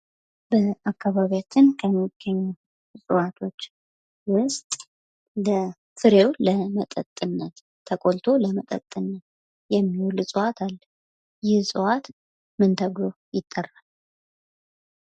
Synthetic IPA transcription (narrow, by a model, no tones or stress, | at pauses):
bəʔakʰːaβaβijat͡ʃːɪnkʰəmːiɡ̥ːəɲːu | sʼɨwat̪ʰo̞t͡ʃː | wʊst̪ʼ | lə | fɨɾe̞wləmət̪ʼə̰t̪ʼːɨnːət̪ʰː | əkʼolt̪ʰo̞ləmət̪ʼə̰t̪ʼːɨnːət̪ | jɛmːiwlɨsʼɨwat̪ʰalː | jɪhsʼɨwat̪ | mɨnt̪ʰəɡlo | jɪt̪ʼːərːal